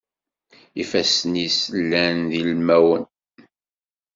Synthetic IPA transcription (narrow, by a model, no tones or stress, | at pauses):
ifæsənisəlːænðilmæwən